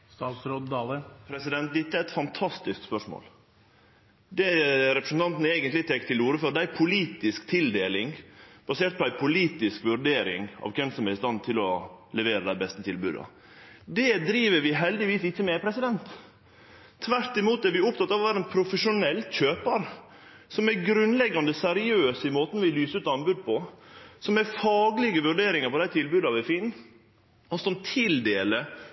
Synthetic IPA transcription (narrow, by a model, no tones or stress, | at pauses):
st̪ɑːt̪sɾod̪d̪ɑːləpʰɾɛsɪd̪ɛnt̪̚d̪ɛt̪ːəæɾɛt̪fɑnt̪ʰɑst̪ɪskspœʂmo̰ːl | d̪ɛɾɛpɾəsn̩t̪ɑnt̪nəeːɡənt̪lɪt̪ʰɛkt̪ʰːɪluːɾəføːɾd̪æɪpʰʊliːt̪ɪskt̪ʰɪld̪eːlɪŋb̥ɑseːɾʈ̪̚pʰɔæɪpʰʊliːt̪ɪskʋʉɾɖeːɾɪ̰ŋɑ̰ːʋkʰɛmsɔmæɾɪst̪ɑnːt̪ʰɪlɔlɛʋeːɾəd̪æɪbɛst̪ət̪ʰɪlbʉ̰ːd̪ɑ̰ | d̪ɛd̪ɾiːʋəɾʋɪɦɛld̪ɪʋiːsɪçːəmɛpʰɾɛsɪd̪ɛnt̪ | ʋæɾt̪ɪmuːt̪̚ɛɾʋɪʊpt̪ɑt̪ːɑːʋɔʋæːɾəɛnpʰɾʊfəʂʊnɛlːçøːpəɾ | sɔmɛɾɡɾʉnlɛɡːɑnd̪əsɛɾɪøːsɪmoːt̪ənʋɪlyːsəʉːt̪ɑnbʉd̪̚pʰɔsɔmɛɾfɑːɡlɪɡəʋʉɾɖeːɾɪŋəɾpɔd̪æɪt̪ʰɪlbʉːd̪ɑʋæfiːn | ɔsɔmt̪ʰɪld̪eːlə